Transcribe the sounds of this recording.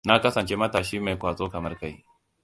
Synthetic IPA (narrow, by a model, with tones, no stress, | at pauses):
na˦kɐ˦sɐ˨nt͡ʃe˦mɐ˦taː˨ʃiː˦ma˨jkʷaː˨zʼoː˦kɐ˨mɐ˦rka˦j